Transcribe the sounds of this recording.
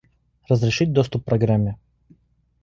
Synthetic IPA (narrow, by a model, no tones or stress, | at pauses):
rəzɾʲɪʂɨt̚ʲd̪ost̪ʊpːɾɐɡɾamʲːɪ